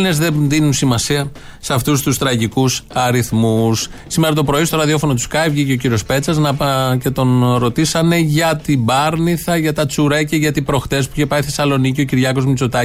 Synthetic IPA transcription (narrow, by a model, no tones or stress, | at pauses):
nezðeðinunsimɐsiɐ | seɐft̪ust̪ust̪ɾɐʝikusɐɾiθmus | sime̞ɾɐt̪o̞pɾo̞ist̪o̞ɾɐðio̞fo̞not̪u̥skɐjvʝiceo̞c̬iɾio̞spe̞t͡sɐznɐce̞t̪o̞nɾo̞t̪isɐne̞ʝɐt̪ibɐɾniθɐʝɐt̪ɐt͡suɾɐcɐʝɐt̪ipɾo̞xt̪e̞spuiçepɐiθe̞sɐlo̞nicio̞ciɾʝɐko̞zmit͡so̞t̪ɐ